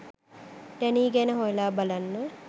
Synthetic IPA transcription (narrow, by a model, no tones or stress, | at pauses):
d̪ɛniːɡɛnəɦojlaːbalanːə